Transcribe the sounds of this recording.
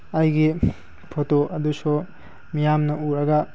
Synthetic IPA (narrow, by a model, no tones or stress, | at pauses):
ɐjɡi | pʰotoʔɐd̪usu | mijamnɐuɾɐɡa